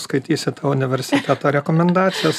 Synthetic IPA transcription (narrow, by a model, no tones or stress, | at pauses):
skɐɪt̪ʲiːsʲɪt̪ɐʊnʲɪʋʲɛɾʲsʲɪt̪ʲæːt̪oːɾʲɛkomʲɛnd̪ɑːt̪sʲɪjɛs